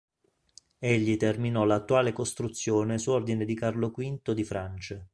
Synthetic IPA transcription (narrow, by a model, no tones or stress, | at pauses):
eʎːit̪erminɔlat̪ːuaːlekost̪ɾut̪sːjoːnesuord̪ined̪ikarlokwint̪od̪ifɾant͡ʃe